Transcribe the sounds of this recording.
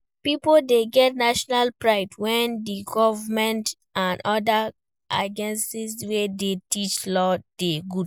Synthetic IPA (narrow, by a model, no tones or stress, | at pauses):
pipoldeɡɛtnaʃɔnalpɹaɪdwɛ̃ndiɡɔvamɛ̃nt | ãnɔda | ʔa̰d͡ʒɛ̃nsiswedetit͡ʃlɔd̥eɡud